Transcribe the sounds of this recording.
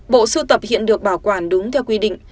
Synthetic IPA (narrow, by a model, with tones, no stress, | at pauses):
ɓo̰˧˨sɨ˧t̪ə˨˩p̚hḭ˧˨ənɗɨ˨˩ək̚ɓaː˧˩wkwaː˧˩nɗʊ˨˦ŋ͡mt̪ʰɛ˧wkwi˧ɗḭ̈˧˨ŋ̟